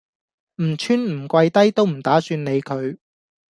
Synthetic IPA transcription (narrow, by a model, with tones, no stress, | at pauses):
m̩˨˩t͡ʃʰyː˥nm̩˨˩kʷɐ˧jt̪ɐ˥jt̪o˥wm̩˨˩t̪aː˨˥syː˧nne˨˧jkʰɵ˨˧ɥ